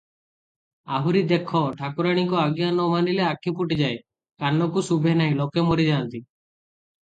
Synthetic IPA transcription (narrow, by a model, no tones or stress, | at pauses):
aɦuɾid̪ekʰɔʈʰakuɾaɽ̃ikɔaɡijanɔmanileakʰipuʈid͡ʒae | kanːɔkusubʱenaj̃lokemɔɾid͡ʒant̪i